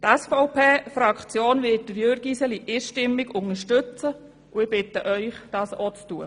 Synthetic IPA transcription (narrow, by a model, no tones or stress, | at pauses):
tæsfɔʊpeːfɾɑkʰt͡sjoːnʋɪt̚d̥əɾjøɾɡisɛliʔiːʃtɪmːɪɡʊŋəʃtøt͡sə | uɪb̥ɪtəʔœʏχd̥ɑːsɔt͡stuə